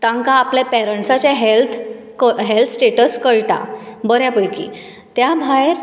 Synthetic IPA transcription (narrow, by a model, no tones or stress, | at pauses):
t̪ãŋkaːpljapɛɾəɳʈsat͡ɕjaɦelt̪ʰ | kəɦɛlt̪ʰsʈeʈəskəɭʈa̰bəɾjapəjkḭ | t̪jabʱajeɾ